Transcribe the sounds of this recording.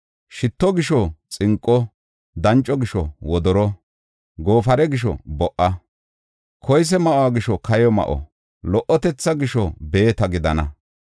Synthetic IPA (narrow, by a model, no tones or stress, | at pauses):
ʃɪt̪ːɔɡɪʃɔt͡sʼɪŋkʼːɔ | d̪ɐnt͡ʃʼːɔɡɪʃɔ̰wɔd̪ɔɾɔ | ɡo̞ːfɐɾɛɡɪʃ̬ɔ̰bɔʔːɐ | kʰɔjs̬ɛmɐʔɔaɡɪʃɔkʰɐjɔmɐ̰ʔɔ̰ | lɔʔɔt̪ɛt͡sːɐɡɪʃɔbe̞ːt̪ɐɡɪd̪ɐnɐ